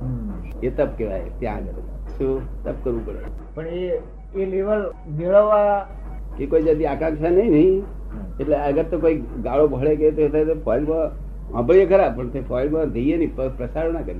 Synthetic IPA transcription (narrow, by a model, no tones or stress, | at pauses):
et̪əb̚keʋa̰ḛt̪jã̰əɡəɾ̰sot̪əb̚kəɾʋupəɽḛpəɳe | eleʋəl | meɭəʋaa | kikoːid͡ʒəd̪iaːkãŋkʃanəɦĩnəĩ | eʈleəɡəɾt̪okoːiɡaɭobʱəɭeket̪oet̪ʰet̪epʰɔjlkoã | ə̰̃bəɭijekəɾabpə̃t̪ʰepʰɔjlɡãd̪ʱeijeniipəpɾəsaɾnakəɾi